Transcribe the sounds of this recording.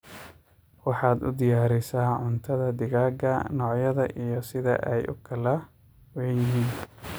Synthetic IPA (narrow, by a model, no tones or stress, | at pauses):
wɑħɑːd̪ʊ̰d̪ɪjaːɾɪsaːʕʊnt̪ʰɐðɐd̪ɪɣaːɡɐnɔːʕjɐðɐʔijɔsɪðɐ̰ʔɛjʔʊ̰kʰɐlɐ | wɛjɪɦiːn